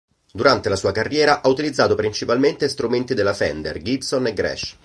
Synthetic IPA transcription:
d̪uɾant̪elasuːakarːjɛːɾaʔaut̪ilid̪zːaːt̪opɾint͡ʃipalment̪est̪ɾument̪id̪elːafɛ̰nd̪ḛrɡipsoneɡɾɛ̰ʃ

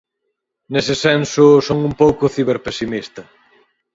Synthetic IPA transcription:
nesɪsɛnsʊsoŋumpowkʊθiβeɾpesimist̪ɐ

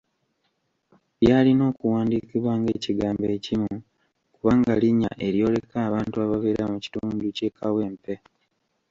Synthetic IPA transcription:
βjaːlino̞ːkuwaːndikiβwaːŋɡe̞ːciɡaːmbecimu | kuβaŋɡaliɲːa̰ʔe̞ɾjo̞ːle̞kaːβaːntuaβaβeːɾamuci̥tuːnduce̞kʰawe̞ːmpe̞

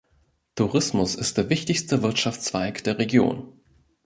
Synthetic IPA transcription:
tʰuʁɪsmʊsɪst̚d̥eːɐvɪçtɪçstəvɪɐtʃaft͡sv̥aɪkd̥eːɐʁeɡjo̰ːn

